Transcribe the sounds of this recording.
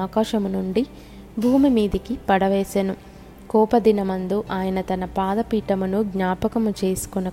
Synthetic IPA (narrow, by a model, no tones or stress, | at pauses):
aːkaːʃɐmunuɳɖi | bʱuːmimiːd̪ikipɐɽɐʋeːsenu | kɔːpɐd̪inɐmɐnd̪uʔaːjɐnɐt̪ɐnɐpaːd̪ɐpiːʈɐmunuɡɲaːpɐkɐmut͡ʃe̞ːsu̥kunɐ